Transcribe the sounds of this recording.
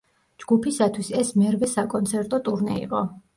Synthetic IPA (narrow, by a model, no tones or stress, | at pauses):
d͡ʒɡ̥upʰisat̪ʰwisɛsmɛɾvɛsakʼɔnt̪sʰɛɾt̪ʼɔt̪ʼuɾnɛḭqʼɔ